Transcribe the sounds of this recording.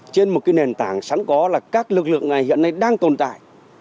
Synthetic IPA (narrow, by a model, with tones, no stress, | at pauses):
t͡ɕe˧nmo˨˩t̚kaː˨˦jne˨˩nt̪aː˧˩ŋsa˨˦ŋkɔ˨˦laː˨˩kaː˦˥k̚lɨ˨˩k̚lɨ̰˧˨əŋna˨˩jhḭ˧˨ənːa˧jɗaː˧ŋt̪o˨˩nt̪a̰ː˧˨jʔ